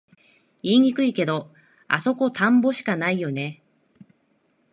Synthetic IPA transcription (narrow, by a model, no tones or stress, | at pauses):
iːɲ̟ikɯ̟ike̞d̪o̞ | a̰so̞ko̞t̪ʰãmbo̞ɕi̥kanaijo̞ne̞